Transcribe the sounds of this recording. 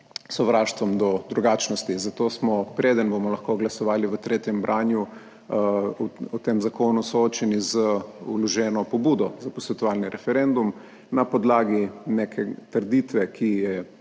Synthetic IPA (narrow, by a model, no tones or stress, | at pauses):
sɔʋɾaʃt̪ʋɔmd̪ɔd̪ɾuɡaːt͡ʃnɔst̪izat̪oːsmɔpɾeːd̪ənbomɔlɐxkoɡlasɔʋaːliʋət̪ɾeːt̪jɛmbɾʔaːnju | ɔt̪emzakoːnusɔot͡ʃɛnizəulɔʒɛːnɔpɔbuːd̪ɔzapɔsʋɛt̪ɔʋaːlniɾʔɛfɛɾend̪um | napɔd̪laːɡinekʰɛt̪əɾd̪it̪ʋɛkʰijɛ